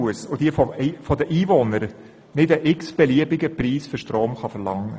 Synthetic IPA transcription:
əsod̥iəfɔfɔd̪əʔiːvɔnəɾ | nɪdəʔɪksb̥ɛliəbɪɡəpriːsfʏɾʃtɾoːmχɑfəɾlɑŋːə

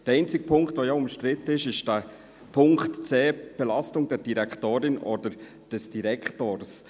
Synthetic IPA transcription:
d̥əɾɛɪnt͡sɪɡ̥əpʰʊŋkχtvojaʊmʃtɾɪtːəɪʃɪʃd̥æ | pʰʊŋktt͡sɛːb̥ɛlɑstʊŋdɛɾd̥iɾɛkχtoːɾɪnʔɔd̥əɾ | d̥ɛsd̥iɾɛkʰtoːɾs

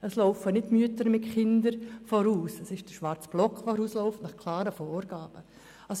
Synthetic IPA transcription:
əsloʊfənɪdmyətəɾmɪtχɪndəɾfɔɾuːsəsɪʃd̥əʃʋaɾt͡sb̥lɔkʋoɾuːslɔʊftnɑχkʰlaːɾəfoːɾɡaːb̥ə | as

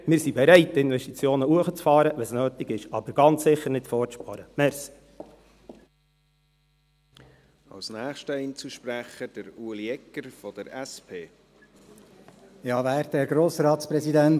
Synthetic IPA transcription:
mɪːɾsibɛɾɛɪt̚ːɪnvʋɛʃtit͡sjoːnəuəχət͡sfɑːɾəʋɛsnøːtɪɡɪʃɑb̥əɾɡ̥ɑnt͡ssɪχːəɾnɪtfɔːɾpɑɾəmɛɾsi̥ | ɑ̰lsnæːχʃtəint͡suʃpɾæχəd̥əɾuːliɛkːəɾfɔd̥əɾɛspʰeː | jɑːvæːɾtɛɾɡɾoːsɾɑːtspɾɛsidɛn

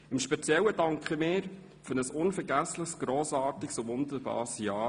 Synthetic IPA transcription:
ɪmʃpɛt͡sjɛlːəd̥ɑŋkχəmɪːɾ | fʏɾnəsʊnfɛɾɡæslɪχsɡ̥ɾoːsɑːɾtɪksʊʋʊnd̪əɾbɑ̰ːɾsjɑː

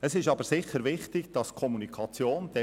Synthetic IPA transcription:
əsɪʃɑbəɾsɪχːəɾvɪχtɪɡ̥d̥ɑskʰɔmunikʰɑt͡sjoːnd̥̪ɛ

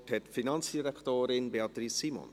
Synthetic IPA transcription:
ʈʰɛt̪finansd̪id̪akt̪øːɾɪnbeɑt̪ɾisimɔ̰n

